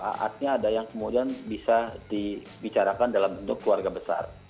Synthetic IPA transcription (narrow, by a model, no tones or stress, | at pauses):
a̰ʔa̰t̪̚ɲaːdajaŋkəmudianbisadi | bit͡ʃaɾakandalamunt̪ʊkːluarɡabəsa̰r